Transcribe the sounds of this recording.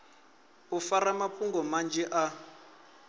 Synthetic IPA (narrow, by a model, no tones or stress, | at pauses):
ufaɾamapʼuŋɡɔmand͡ʒɛʔa